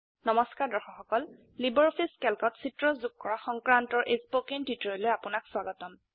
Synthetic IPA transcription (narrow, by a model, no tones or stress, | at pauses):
nɔmɔskaɹdɔxɔxɔkɔl | libɔɹpʰiskɛlkɔtsitɹɔzuk̚kɔɹaxɔŋkɹantɔɹʔesbokintwitɹɔjlojapʊnakswaɡɔtɔn